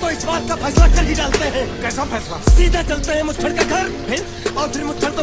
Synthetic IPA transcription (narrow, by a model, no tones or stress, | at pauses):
t̪oɪsʋaːt̪kafʰɛːslakɐɾɦiɖaːlt̪eɦɛ̃ːkɛːsapʰɛːsla̰siːd̪ʱat͡ʃɐlt̪eɦɛ̃mʊt̪ʰəɽkaɡʱɐɾpʰɪɾ | ɔːpʰɪɾmʊt̪ʰəɽt̪o